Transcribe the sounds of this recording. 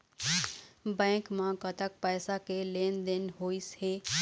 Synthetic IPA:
bɛ̃ːkmãkət̪ək̚pɛːsakeleːnd̪ɪnɦoːisheː

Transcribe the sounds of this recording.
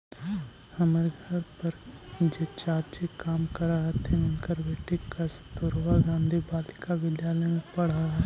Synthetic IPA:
hɐmaɾeɡʱɐɾpəɾ | d͡ʒeːt͡ʃaːɾt͡ʃekaːmkɐɾaɦt̪ʰɛ̃ʊnkəɾbeːʈikɐst̪ʊɾʋaɡãːnd̪ʱibaːlɪkaʋɪd̪jaːləmẽpɐɽ̤a

